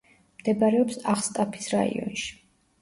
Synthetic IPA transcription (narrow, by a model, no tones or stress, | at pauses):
md̪̥ɛbaɾɛɔpsaχst̪ʼapʰi̥sɾa̰ḭɔ̰nʃi̥